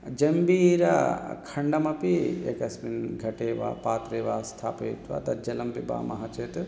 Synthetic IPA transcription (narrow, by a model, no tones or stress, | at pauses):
d͡ʒɐmbiːɾa̰kʰɐɳɖɐmɐpiḛkɐsminɡʱɐʈeːʋa̰ːpaːt̪ɾeːʋaːst̪ʰa̰ːpet̪ʋa̰d̪ɐd͡ʒɐlɐmpiba̰ːmɐɦɐt͡ʃeːt̪